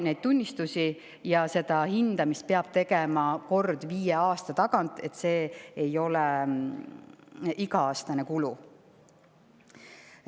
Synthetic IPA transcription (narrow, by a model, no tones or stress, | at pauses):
nejd̪̥̚t̪unʲːist̪usi | jɑse̞d̪̥ɑhind̪̥ɑmist̪̚peɑb̥̚t̪e̞ɡ̥e̞mɑko̞rd̪̥viːjeɑːst̪ɑt̪ɑɡ̥ɑnt̪ːˑe̞t̪se̞ːjo̞lɛ | iɡɑɑːst̪ɑnekulu